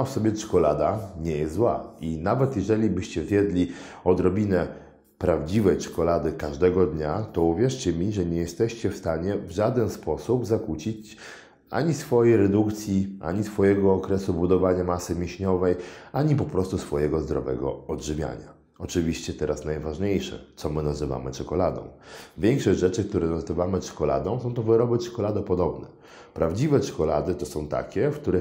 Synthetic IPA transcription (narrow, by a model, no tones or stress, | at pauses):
afsɔbʲjɛt͡ʂkɔlad̪aɲɛjɛst̪zwainavɛt̪jɛʐɛlʲibɘɕt͡ɕɛvʲjɛd̪lʲiɔd̪ɾɔbʲinɛ | pɾavd͡ʑivɛjt͡ʂkɔlad̪ɘkaʐd̪ɛɡɔd̪ɲat̪ɔuvʲjɛʂt͡ɕɛmʲiʐɛɲɛjɛst̪ɛɕt͡ɕɛfst̪aɲɛvʐad̪ɛnspɔsubzakut͡ɕit͡ɕ | a̰ɲisfɔjɛjɾɛd̪ukt̪sʲjiʔa̰ɲisfɔjɛɡɔːkɾɛsubud̪ɔvaɲamasɘmʲiɕɲɔvɛjaɲipɔpɾɔst̪usfɔjɛɡɔzd̪ɾɔ̰vɛ̰ɡɔ̰ɔdʐɘvʲja̰ɲa | ɔt͡ʂɘvʲiɕt͡ɕɛt̪ɛɾʔasnajvaʐɲejʂɛ̰t̪sɔmɘnazɘva̰mɘt͡ʂɔkɔlad̪ɔ̰̃w̃vʲjɛŋkʂɔʑʐɛt͡ʂɘk̚t̪uɾɛnazɘvamɘt͡ʂkɔla̰d̪ɔ̃w̃sɔ̃w̃t̪ɔvɘɾɔbɘt͡ʂkɔlad̪apɔd̪ɔbnɛ | pɾavd͡ʑivɛt͡ʂʂkɔla̰d̪ɘt̪ɔsɔ̃w̃t̪a̰kʲɛfk̚t̪uɾɛ